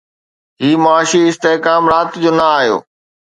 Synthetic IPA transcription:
ɦiːmoaːʃiɪst̪eɦkaːmɾaːt̪d͡ʑoːnɐaːɦijo̰ː

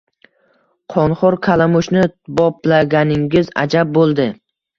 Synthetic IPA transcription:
qʰɒnχɒɾkʲʰalamʊʃnɪbɒplaɡʲanɪŋɡʲɪza̰d͡ʒab̚bolˠd̪ɪ

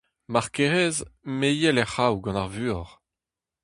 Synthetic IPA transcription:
maʁkeʁɛzmejɛlɛχawɡɑ̃naʁvyːɔʁ

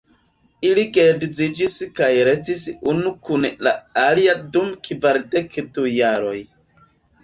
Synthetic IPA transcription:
iliɡedizid͡ʒiskajɾe̞stisunukunlaaliadumkʰivaɾde̞kdujaɾo̞j

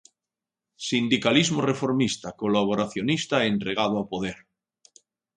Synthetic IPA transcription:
sind̪ikalizmorefo̞ɾmist̪akolaβ̞oɾaθjonist̪aent̪ɾeɣ̞að̞oapoðeɾ

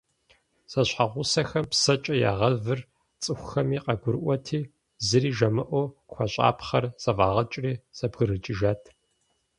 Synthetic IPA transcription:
z̥ɐɕħaʁʷʊsɐxɐmpsɐt͡ʃʼɐja̰ːʁɐvɨr | t͡sʼɨxʷʊxɐmiːqɐɡʷʊɾɨʔʷɔtʰiː | zɨriːʒɐmɨʔʷɔxʷɔɕʼa̰ːpχɐrz̥ɐvaːʁɐt͡ʃʼriːz̥ɐbɣɨɾɨt͡ʃʼɪʒaːtʰ

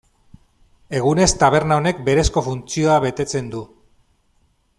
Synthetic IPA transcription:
e̞ɣ̞une̞st̪aβ̞e̞ɾnao̞ne̞k̚be̞ɾe̞sko̞funt͡sio̞aβe̞t̪e̞t͡se̞nd̪u

